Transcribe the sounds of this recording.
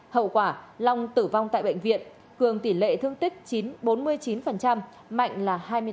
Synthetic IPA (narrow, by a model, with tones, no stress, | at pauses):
hə̰˧˨wkwaː˧˩la˧wŋ͡mt̪ɨ˧˩va˧wŋ͡mt̪a̰ː˧˨jɓə̰˧˨jŋ̟vḭ˧˨ən | kɨ˨˩əŋt̪i˧˩lḛ˧˨t̪ʰɨ˧əŋt̪ï˦˥k̟̚t͡ɕi˨˦nɓo˨˦nmɨ˧əjt͡ɕi˨˦nfə˨˩nt͡ɕa˧m | ma̰˧˨jŋ̟laː˨˩haː˧jmɨ˧